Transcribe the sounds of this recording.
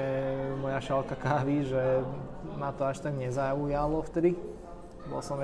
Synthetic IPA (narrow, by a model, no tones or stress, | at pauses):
ɛmɔjaʃalkakaːʋiʒɛ | mat̪ɔaʃt̪aɡɲɛzaujalɔft̪ɛd̪i | bɔ̰lsɔm